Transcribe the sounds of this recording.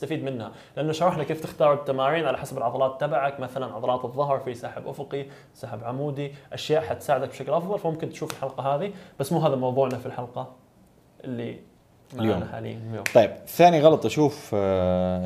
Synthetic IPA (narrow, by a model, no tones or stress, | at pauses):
ɪst̪afiːd̪mɪnːha | lɪʔanːʊʃɑɾˤɑħnakeːft̪ɪxt̪ɑːɾˤɪt̪ːamaːɾiːnʕalaħasabɪlʕɑðˤɑlɑːt̪ːabaʕakmaθalanʕɑðˤɑlɑːt̪ɨðˤːɑɦɾˤfisaːħɪbʔʊfʊqi | saːħɪbʕamuːd̪iʔaʃjaːʔħat̪saːʕɪd̪akbʃaklʔɑfðˤɑlfamʊmkɪnt̪ʃuːfɪlħɑlqɑɦaːðib̥asːmuːɦaːðalmɑwðˤuːʕnafilħalqɑ | ʔɪlːi | maljnaħa̰ːlḭːljo̰ːt̪ˤɑjːbɪθːaːniɣɑlɑt̪ˤʔaʃuːf